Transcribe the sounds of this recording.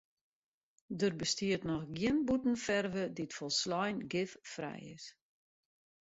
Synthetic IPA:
dərbəstiətnɔxɡiənbutn̩fɛrvəditfɔlˠslɔjnɡɪffrɛ̰jɪ̰s

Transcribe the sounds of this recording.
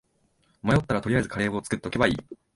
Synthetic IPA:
omajo̞t̪ːaɾat̪o̞ɾiaezɨkaɾe̞ːboːt͡sɨ̥ke̞t̪et̪ːoke̞baḭː

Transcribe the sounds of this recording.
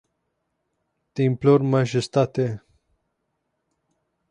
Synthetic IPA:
t̪imploɾmaʒest̪at̪e

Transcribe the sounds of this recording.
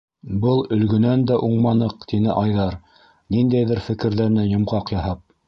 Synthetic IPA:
bɤlˠɵ̆lɡɵ̆nænd̪æʔuɴmɑnɤqt̪inɘ̰ʔɑjðɑɾ | nind̪æjðɘɾfɘ̆kɘ̆ɾðæɾnæjŏmʁɑqjɑhɑp̚

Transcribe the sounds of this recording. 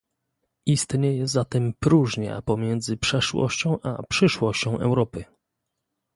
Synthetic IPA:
ist̪ɲejɛzat̪ɛmpɾuʐɲa̰pɔmʲjɛnd̪zɘpʂɛʂwɔ̰ɕt͡ɕɔ̃w̃ʔa̰pʂɘʂwɔɕt͡ɕɔ̃w̃ʔɛ̰wɾɔpɘ

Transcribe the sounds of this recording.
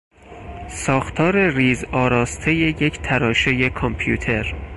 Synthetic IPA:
sɒːxt̪ʰɒːɾe̞riːzɒːɾɒːst̪ʰe̞jeje̞cʰt̪ʰæɾɒːʃe̞jekʰompʰjuːt̪ʰe̞ɾ

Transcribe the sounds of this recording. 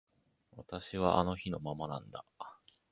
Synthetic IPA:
βat̪aɕiβaʔano̞çino̞mamanãnd̪a

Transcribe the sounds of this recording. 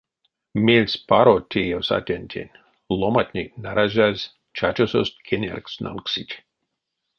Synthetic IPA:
mʲelʲsʲpaɾot̪ʲʰejosa̰t̪ʲenʲt̪ʲʰḛnʲ | lˠomat̪ʲnʲinaɾaʒʲazʲ | t͡ʃat͡ʃosost̪̚ʲkʰʲenʲḛrksnʔa̰lksitʲ

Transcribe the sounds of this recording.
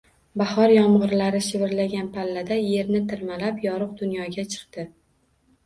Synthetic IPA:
bahɒɾjɒmʁɨɾlaɾɪʃɪvɪɾlaɡʲanpʰalːad̪aje̞ɾnɪt̪ʰɪɾmalapjɒɾɨq̚d̪ʊnjɒɡʲat͡ʃʰɨ̥qt̪ɪ

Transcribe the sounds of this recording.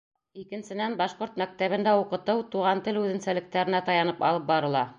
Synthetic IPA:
ikɘ̆nsɘ̆nænbɑʃqoɾt̪mæk̚t̪æβɘ̆nd̪æuqɤ̆t̪ɤwt̪uʁɑnt̪ɘlʉðɘ̆nsælɘ̆k̚t̪æɾɘ̆næt̪ɑjɑnɤpɑ̰lˠɤp̚bɑɾɤ̆lˠɑ

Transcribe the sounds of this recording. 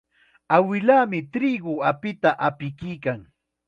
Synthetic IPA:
awɪlaːmɪt̪ɾiɢʊapɪt̪aʔapɪkɪjkaŋ

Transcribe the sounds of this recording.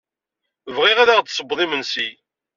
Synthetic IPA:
vʁɪʁæðaʁt͡s̪səbðˤimənsi

